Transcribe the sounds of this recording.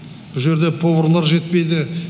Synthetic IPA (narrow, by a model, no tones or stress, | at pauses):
b̥ʊʒe̞ɾd̪e̞pʰo̞vɾolˠɑɾʒe̞t̪̚pe̞jd̪ɪ